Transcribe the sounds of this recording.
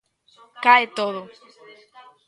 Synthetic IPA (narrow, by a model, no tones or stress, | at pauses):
kaet̪oðo